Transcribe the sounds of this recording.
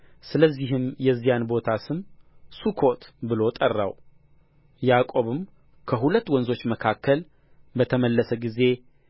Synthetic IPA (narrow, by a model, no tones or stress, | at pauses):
sɨləzːiɦɨmjɛzːijanbo̞t̪ʰasɨmsukʰo̞t̪bɨlo̞t̪ʼərːa̰w | jakʼo̞βɨm | kʰəɦulət̪ːwɔnzo̞t͡ʃːməkʰakʰːəl | bət̪ʰəməlːəsəɡize̞